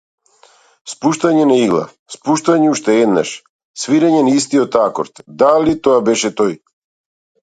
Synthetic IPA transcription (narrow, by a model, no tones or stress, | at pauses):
spuʃt̪aɲɛnɛiɡlˠa̰ | spuʃt̪aɲɛuʃt̪ɛɛd̪na̰ʃ | sviɾɛɲɛnist̪iɔt̪akɔɾt̪d̪alit̪ɔabɛʃɛt̪oj